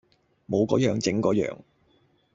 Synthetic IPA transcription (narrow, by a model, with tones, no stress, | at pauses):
mo˨˧wkɔ̰ː˨˥jœː˨ŋt͡sɪ˨˥ŋkɔː˨˥jœ̰ː˨˧ŋ